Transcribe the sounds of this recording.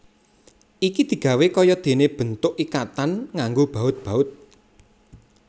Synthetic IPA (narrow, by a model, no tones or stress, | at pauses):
ʔikid̪̥i̤ɡ̥ä̤wekɔjɔd̪̥e̤neb̥ə̤nt̪ʊʔikat̪anŋaŋɡob̥a̤ʊt̪̚b̥a̤ʊt̪̚